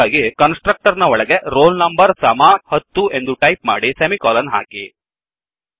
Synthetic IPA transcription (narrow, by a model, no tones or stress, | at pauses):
aːɡikɐnsʈɾɐk̚ʈɐɾnɐɔɭɐɡe̞ɾoːlnɐmbɐɾsɐmaːhɐt̪ːue̞nd̪uʈɐjpma̰ːɽisemikɔːlɐnɦa̰ːki